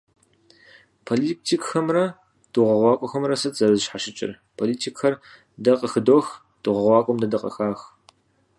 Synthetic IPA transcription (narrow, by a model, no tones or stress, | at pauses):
pʰolitʰiːkxɐmrɐ | d̥uʁɐʁʷɑːkʷʼɔxɐmrɐsɐtz̥ɐɾɐzɨʃħaʃɪt͡ʃʼɪ̰r | pʰoːliːtʰiːkʰxɐr | dɐqʼəxɨdox | d̥uʁɐʁʷɑːkʷʼɔmdɐdɐqʼɐ̰xaːx